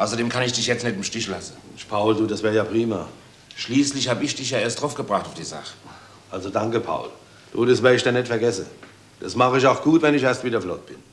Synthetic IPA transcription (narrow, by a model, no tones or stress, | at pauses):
ʔaʊsɐdeːmkʰanɪçd̥ɪçjɛt͡stnɛtɪmʃtɪçlasn̩pʰaʊlduːdasv̥ɛːɐjaːpʁiːma̰ | ʃliːslɪçhaːbəɪçd̥ɪçjaːeːɐstd̥ʁaʊfɡ̥əbʁaχtaʊfd̥iːza̰χə̥ | ʔalzodaŋkəpʰa̰ʊl | d̥uːdas̬vɛɪçd̥anɛtfɛɐɡɛsə | d̥asmaχəɪçaʊxɡ̥uːtvɛnɪçɛːɐstviːdɐflɔt̚b̥ɪn